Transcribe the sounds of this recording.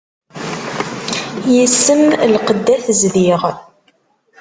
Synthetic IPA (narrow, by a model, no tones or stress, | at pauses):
jəsːəmlqəd̪ːæθzliʁ